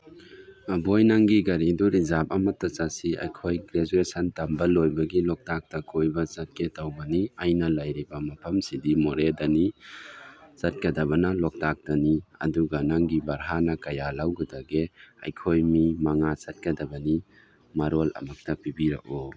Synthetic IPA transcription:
mɐbojnaŋɡiɡɐɾiduɾizap̚ɐmɐtːɐt͡ʃasiɐ̰jkʰojɡɾezuɾesɐntambɐlojbɐɡilɔk̚tak̚tɐkʰojbɐt͡ʃɐt̚ketawbɐniɐjnɐlɐjɾibɐmɐpʰɐmsidimoɾedɐni | sɐt̚kɐdɐβɐnɐlɔk̚tak̚tɐniɐ̰duɡɐnaŋɡibɐɾɦanɐkɐjalawɡɯdɐɡeɐ̰jkʰojmimaŋat͡ʃɐt̚kɐdɐbɐni | maɾolɐ̰mɐk̚tɐpibiɾɐ̰kɔ

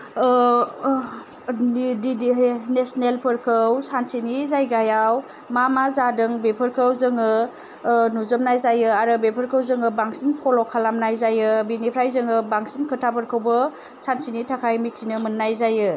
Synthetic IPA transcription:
ddnesnelpʰɯɾkʰəwsansinizajɡajaw | mamazadɯŋbepʰɯɾkʰəwzɯŋɯ | nuzɯmnajzajɯaɾɯbepʰəɾkʰəwzɯŋɯbaŋsinpʰɔlɔkʰalamnajzajɯbinipʰɾajzɯŋɯbaŋsinkʰɯtʰapʰɯɾkʰəwbɯ | sansinitʰakʰajmitʰinɯmɯnːajzajɯ

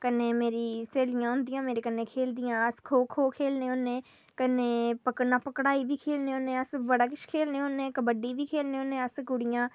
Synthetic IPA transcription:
kənːeːmeːɾiːseːlɪjãːɦʊ̃nd̪ɪjãːmeːɾeːkənːeːkʰeːld̪ɪjãːəskʰoːkʰoːkʰeːlneːʊneː | kəneːpəknãːpəkɽaːiːbiːkʰeːlneːoːnẽːəsbəɽaːkɪʃkʰeːlneːoːnẽːkəbəɖiːbiːkʰeːlneːɦoːnẽːəskʊɽɪjãː

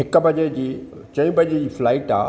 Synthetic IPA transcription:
ɦɪkə̆bɐʄed͡ʑiːt͡ɕɐ̃ĩːbʱɐʄed͡ʑiːflaːɪʈa̰ː

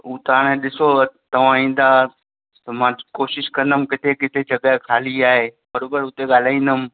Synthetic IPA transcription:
uːt̪aːɽ̃ẽɗɪsot̪ɐʋ̤ãĩːn̆d̪aː | t̪ɐmãːkoːʃɪʃkɐ̃nd̪əmkɪt̪ʰekɪt̪ʰed͡ʑɐɠaːkʰaːliaːɦebɐɾoːbəɾʊt̪eɠaːl̤aːĩːn̆d̪əm

